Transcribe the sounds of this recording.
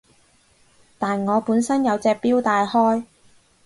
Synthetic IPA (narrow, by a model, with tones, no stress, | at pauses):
t̪aː˨nŋɔː˨˧puː˨˥nsɐ˥njɐ˨˧wt͡sɛː˧k̚piː˥wt̪aː˨˧jhɔː˥j